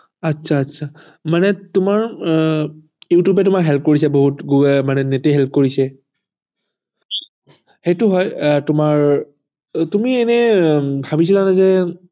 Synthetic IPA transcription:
atsʰaːtːsʰa | manɛtʊmaɹ | jutjubɛtʊmakɦɛlp̚ʰkoɹis̬ɛboɦutɡuɡmanɛneteɦɛlp̚ʰkoɹisɛ | xejtʊɦɔjtʊmaɹ | tumienɛbʱabisilanazɛ

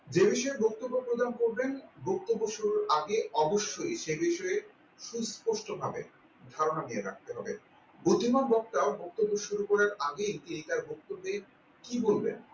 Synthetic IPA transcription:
d͡ʑebiʃɔebok̚t̪obːopɾod̪ʱankoɾbenbok̚t̪obːoʃuɾuɾʔaɡeɔboʃːojʃebiʃɔe | ʃuspoʃʈobʱabḛ | d̪ʱaɾonanieɾa̰k̚ʰt̪eɦɔbe | bud̪ʱːimanbɔk̚t̪abok̚t̪obːoʃuɾukɔɾaɾaɡejt̪iejt̪aɾbok̚t̪obːe | kibolbḛn

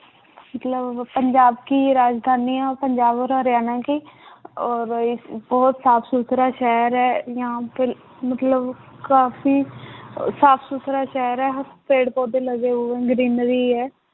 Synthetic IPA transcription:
mət̪ləbpəɲd͡ʒaːbkiːɾaːd͡ʒd̪ʱaːniːãːpəɲd͡ʒaːbɔːɾɦəɾjaːnãːkiːɔːɾbɔːt̪saːpʰsut̪ʰɾaːʃɛːɾɛːjãːpː | mət̪ləbkaːfiː | saːpʰsut̪ʰɾaːʃɛːɾɛːɦpeːɽpɔːd̪eːləɡeːʊẽːɡɾɪnɾiːɛː

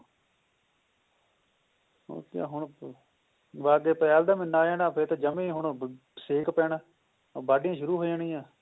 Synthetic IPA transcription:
o̰ːkja̰ːɦʊɳ | ʋaːɡeːpɛːld̪aːmɪnːaːjaːnaːpʰɪɾt̪eːd͡ʒəmẽːɦʊɳ | seːkpɛːɳː | baːɖɪjãːʃʊɾuːɦoːəɳĩːãː

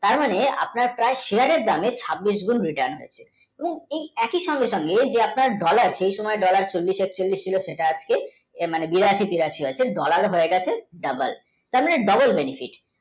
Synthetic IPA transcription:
t̪aɾmanea̰pnaɾpɾaeʃeaɾeɾd̪amet͡ɕʰabːiʃɡunɾiʈaɾnɦojet͡ɕʰe̥ | eboŋejɛkiʃɔŋɡeʃɔŋɡed͡ʑeapnaɾɖɔlaɾʃejʃɔmɔeɖɔlaɾt͡ɕolːiʃek̚t͡ɕolːist͡ɕʰiloʃeʈaad͡ʑke | manebiɾaʃit̪iɾaʃiɦoet͡ɕʰeɖɔlaɾɦoeɡɛt͡ɕʰeɖɐbəl | t̪aɾmaneɖɐbolbenifʰiʈ

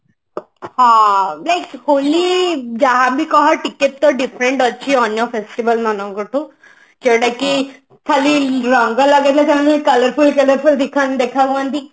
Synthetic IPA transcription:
hãlaɪkholid͡ʒaɦãbʱikɔɦɔʈikeʈ̚t̪ːɔɖifɾẽɳʈɔːt͡ʃʰiɔnjɔfesʈibəlnanɔ̃ŋkɔʈʰũ | t͡ʃeɽaki | kʰaliɾɔŋɡalɔɡet̪ʰlet̪aɦãnkɐləɾpulkələɾpuld̪ikʰand̪ekʰaɡãnt̪i

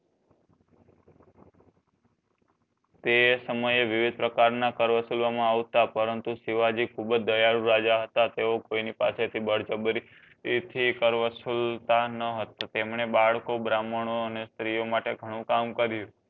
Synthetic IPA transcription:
t̪esəməjeʋɪʋid̪̚pɾəkaɾnakəɾʋəsulʋamãaʋt̪apəɾənt̪usiʋad͡ʒikʰubəd͡ʒd̪əjaɾũɾad͡ʒaɦət̪at̪eokoinipaset̪ʰibəɽd͡ʒəbɾi | t̪ʰikəɾʋəsult̪anəɦət̪at̪emɳebaɭkobɾaməɽ̃oənest̪ɾijomaʈeɡʱəɽ̃ũkamkəɾjũ

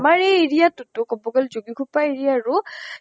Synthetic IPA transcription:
maɹejeɹijatʊtʊkɔbɔɡɔlzoɡikʰupaeɹijaɹʊ

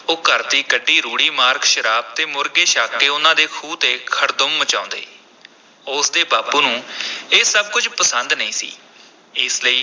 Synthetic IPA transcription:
oːkəɾd̪iːkəɖːiːɾuːɽiːmaːɾkʃəɾaːb̚t̪eːmʊɾɡeːʃaːkːeːʊnãːd̪eːkʰuːt̪eːkʰəɽd̪ʊmːət͡ʃãːʊ̃ːnd̪ḛː | ʊsd̪eːbaːpuːnũːeːsəb̚kʊd͡ʒpəsənd̪nəĩːsḭː | ɪsləiː

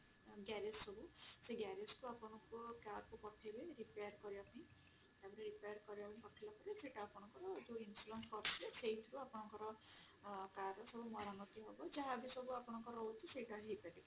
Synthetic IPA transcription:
ɡjaɾessɔbuseɡaɾeskuapɔɽ̃ɔŋkokaɾkupɔʈʰːileɾipejaɾkɔɾibapanĩ | abɔniɾipajaɾkɔɾibapanikɔʈʰilapɔɾaseiʈaːpɔɽ̃ɔ̃ŋkɔɾɔd͡ʒuinsulɔnskɔɾt̪ʰileseɦit̪ʰɔɾuapɔɽ̃ɔŋkɔɾɔ | kaɾsɔbumɔɾamɔt̪iɦobɔd͡ʒaabisɔbuapɔɽ̃ɔŋkɔɾɔut̪ʰiseiʈaɦepaʈi

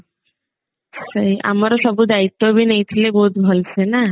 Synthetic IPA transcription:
səjʔa̰maɾoʃɔbud̪ait̪ːobinejt̪ʰileboɦut̪bʱɔlsʰena

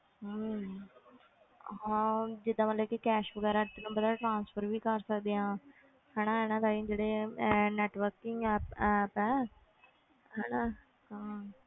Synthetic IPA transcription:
ɦə | ɦãːd͡ʒɪd̪ãːməlɛːkekɛːʃʋəɡɛːɾaːt̪ːnũːbəd̪aːʈɾãːnspʰəɾʋiːkəɾsəkd̪eːãː | hɛːnãːɦɛːnãːt̪aːĩːd͡ʒeːɽeːnɛːʈʋəɾkɪŋɡɛpɛːpɛː | ɦɛːna | ɦãː

